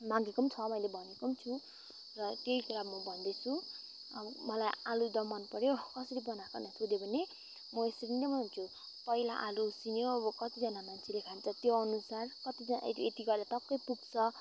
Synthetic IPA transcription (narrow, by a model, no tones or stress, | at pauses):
maɡikʌmt͡sʰʌmʌjlebʱʌnikʌmt͡sʰu | rʌt̪eikuɾamʌbʱʌnd̪et͡sʰu | ʌ̰bmʌlajalud̪ʌmʌnpʌɾjokʌsʌɾibʌnakʌrnʌsod̪ebʱʌne | mʌesʌɾind̪ʌmʌɦunt͡sʰu | pʌilaʔalusinjoʌbʌkʌt̪id͡zʌnamant͡sʰilekʰant͡sʰʌt̪joʌnusarkʌt̪id͡zʌn̰et̪iɡʌlat̪ʌkːʌjpuɡt͡sʰʌ